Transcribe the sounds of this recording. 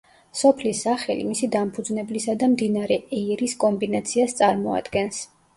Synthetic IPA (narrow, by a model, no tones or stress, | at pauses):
sɔpʰlisːaχɛlḭmisid̪ampʰud̪znɛblisad̪amd̪inaɾɛɛiɾiskʼɔmbinat̪sʰiast̪sʼaɾmɔa̰d̪̥ɡɛns